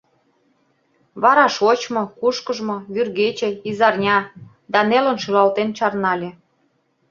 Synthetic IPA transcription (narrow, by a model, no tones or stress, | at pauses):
βɑɾɑʃot͡ɕmŏkuʃkə̆ʒmŏβyrɣet͡ɕĕizɑrnʲɑ | d̪ɑnelə̆nʃylɑlt̪ent͡ɕɑrnɑlʲĕ